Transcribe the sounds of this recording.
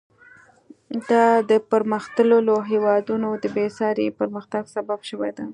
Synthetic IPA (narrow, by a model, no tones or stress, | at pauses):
d̪ɑd̪əpəɾməxt̪ələloɦewɑd̪unod̪əbesɑɾepəɾməxt̪aɡsababʃəwajd̪a